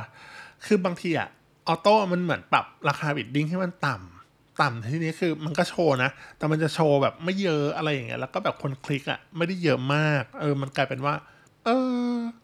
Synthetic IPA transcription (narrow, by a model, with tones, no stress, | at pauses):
kʰɯː˧baː˧ŋt̪ʰiː˧ʔa̰˨˩ | ʔɔː˧t̪oː˥˩ʔa˨˩ma˧nmɯ˩˦ənpɾa̰˨˩p̚ɾaː˧xʰaː˧bi˨˩t̪̚di˥˩ŋt̪ʰa˥˩ma˧nt̪a˨˩m | t̪a˨˩m˨t̪ʰiː˧ni˦˥kʰɯː˧ma˧nkɔː˥˩t͡ɕʰoː˧na˦˥ʔt̪ɛː˨˩ma˧nt͡ɕa˨˩t͡ɕʰoː˧bɛː˨˩p̚ma˥˩jːɤ˦˥ʔa˧ɾa˧jːa˨˩ŋḭ˦˥ɐlːwkɔː˥˩bɛː˨˩p̚kʰo˧nkʰli˦˥k̚ʔa̰˨˩ma˥˩jda˥˩jːɤ˦˥ʔmaː˥˩k̚ʔɤː˧ma˧nklaː˧jpe˧nwaː˥˩ | ʔɤː˧